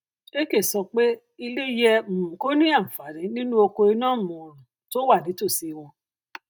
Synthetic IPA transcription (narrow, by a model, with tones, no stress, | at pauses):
e˦ke˦˨sɔ˧k͡pe˦ | i˧le˦jɛ˧m̩˨ko˦nĩ˦a˦˨fa˨ɾĩ˨˦nĩ˦nũ˦o˧ko˧i˧nãː˦˨mũ˨ɾũ˨ | to˦wa˦˨nĩ˨˦to˦˨si˦˧wɔ˧